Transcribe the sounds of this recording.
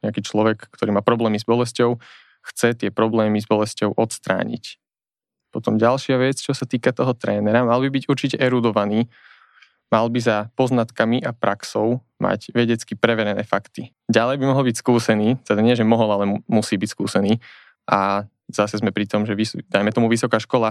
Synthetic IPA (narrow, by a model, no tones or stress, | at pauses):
ɲɛakiːt͡ʃlɔʋɛkkt̪ɔɾiːmaːpɾɔblɛːmizbɔlɛscɔʊ | xt͡sɛt̪ɪɛpɾɔblɛːmizbɔlɛscɔʊʔɔt̪st̪ɾa̰ːɲḭc | pɔt̪ɔmɟalʃɪaʋɛt͡st͡ʃɔsat̪iːkat̪ɔɦɔt̪ɾɛːnɛɾamalbibiɟuɾt͡ʃicɛʔɛɾud̪ɔʋaniː | malbizapɔznat̪kamiʔapɾʔaksɔʊ | ma̰ɟʋɛɟɛt͡skipɾɛʋɛɾɛnɛ̰ːfakt̪i | ɟalɛjbimɔɦɔlbicskuːsɛniːt̪ɛd̪aɲɪɛʒɛmɔɦɔlalɛmusiːbicskṵːsɛniː | ʔa | z̥asɛzmɛpɾit̪ɔmʒɛʋisd̪ajmɛt̪ɔmuʋisɔkaːʃkɔla